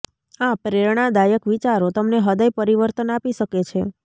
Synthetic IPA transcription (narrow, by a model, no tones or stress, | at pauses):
ãpɾeɾɳad̪ajəkʋit͡ʃaɾot̪əmneɦəd̪əjpəɾiʋəɾt̪ənapiʃəket͡ʃʰe